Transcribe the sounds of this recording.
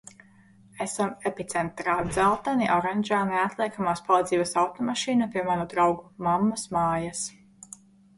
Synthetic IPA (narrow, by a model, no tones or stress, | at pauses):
esamepit̪sɛnt̪ɾaːd̪zælˠt̪aniʔɔɾɛnʲd͡ʒaːneat̪lˠiɛkamaːspalˠiːd̪ziːbasawt̪ɔmaʃiːnapʲiɛmæːɾad̪ɾawɡumamːasmaːjas